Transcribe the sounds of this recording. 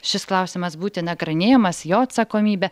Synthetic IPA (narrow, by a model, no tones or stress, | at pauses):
ʃʲɪsklˠɑʊsʲɪmɐsbuːt̪ʲɪnɐɡɾɐnʲeːjɛmɐsjoːɐt̪sɐkoːmʲiːbʲɛ